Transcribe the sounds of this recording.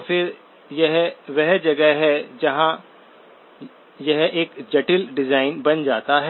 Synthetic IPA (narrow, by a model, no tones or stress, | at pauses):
fʰɪɾ | jɐɦʋɛɦd͡ʒɐɡəɦɦɛd͡ʒɐɦã | jɐɦeːkd͡ʒɐʈɪlɖɪzaːɪnbɐnd͡ʒaːt̪aɦɛ